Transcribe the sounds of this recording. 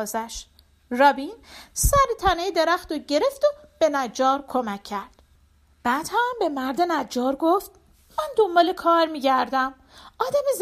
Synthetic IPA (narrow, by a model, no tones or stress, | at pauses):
zæʃt̪ | rɒːbinsæɾit̪ʰænejd̪e̞ɾæxt̪oɟe̞ɾe̞ft̪ob̥e̞næd͡ʒɒːɾkʰomæcʰːæɾd̪̥ | b̥æːd̪̥hæmbe̞mæɾd̪e̞næd͡ʒːɒːɾɡoft̪ | mænd̪o̞mbɒːlekʰɒːɾmiːɟæɾd̪æm | ɒːd̪æmez